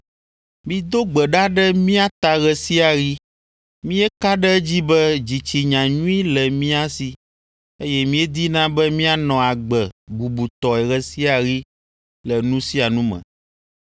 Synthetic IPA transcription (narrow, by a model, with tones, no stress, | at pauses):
mĩ˨d̪o˦ɡ͡bɛ˨ɖa˦ɖɛ˦mĩ˦a˦t̪a˨ɣɛ˨si˦a˨ɣi˦ | mĩ˦ɛ˦ka˦ɖɛ˦d͡ʑi˦bɛ˦d͡ʑi˨t͡ɕi˨ɲã˨ɲũ˦i˦lɛ˨mĩ˦a˦si˦ | e˦jɛ˦mĩ˦ɛ˦d̪i˦nã˦bɛ˦mĩ˦a˦nɔ̃˨a˨ɡ͡bɛ˨ɡ͡bu˨bu˨t̪ɔ˨ɛ˨ɣɛ˦˨si˦a˨ɣi˦ | lɛ˨nũ˦si˦a˨nũ˦mɛ̰̃˨